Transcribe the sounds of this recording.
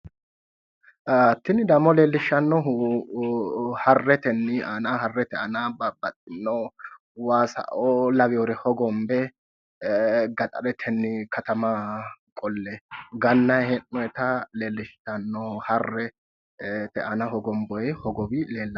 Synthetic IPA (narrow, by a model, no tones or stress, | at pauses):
hɐt̪ːɪnɪd̪ɐmɔle̞ːlːɪʃːɐnːɔɦ | hɐrːɛt̪ɛnːɪanahɐrːɛt̪ɛʔɐnabɐbːɐt̪ʼːɪnːɔ | waːsɐ̰ʔɔlɐbɪjɔɾɛhɔɡɔmbɛ | ɡɐt̪ʼɐ̰ɾɛt̪ʰɛnːɪkʰɐt̪ɐmakʼɔlːɛɡɐnːɐjhɛnːɔjɛt̪ɐle̞ːlːɪʃɐnːɔhɐrːɛ | t̪ɛʔɐnɐhɔɡɔmbɔjɛhɔɡɔbɪle̞ːlːɐ